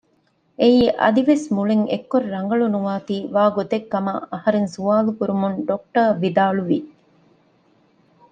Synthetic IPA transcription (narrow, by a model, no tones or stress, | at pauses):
ʔeiːʔɐ̰d̪iʋesmuɭeŋḛkːoɾɾɐŋ̆ɡɐɭunuʋaːt̪iːʋaːɡot̪ekːɐmɐ̰ʔɐhɐɾensuaːlukuɾumunɖok̚ʈɐːʋid̪aːluʋi